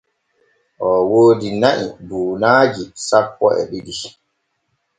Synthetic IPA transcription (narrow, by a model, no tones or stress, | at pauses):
ʔɔwoːdinaʔiduːnaːd͡ʒisapːɔ̰ɛ̰ɓidi